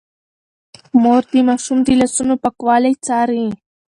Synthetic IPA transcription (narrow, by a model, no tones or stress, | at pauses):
moɾd̪imaːʃumd̪ilasunopakwɑːlajt͡saːɾi